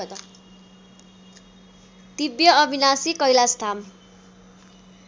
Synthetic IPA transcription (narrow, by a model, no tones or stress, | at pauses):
t̪ʌ | t̪ibjʌʌbʱinasikʌjlast̪ʰam